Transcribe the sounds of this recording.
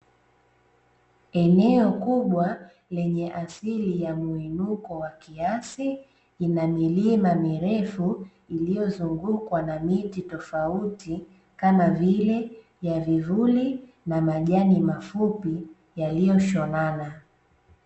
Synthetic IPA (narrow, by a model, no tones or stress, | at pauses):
ɛnɛɔkuɓwa | lɛɲɛʔasilijamuinukɔwakiasi | inamilimamiɾɛfu | ilijɔzuŋɡukwanamititɔfauti | kamavilɛ | javivuli | namaʄanimafupi | jalijɔʃɔnana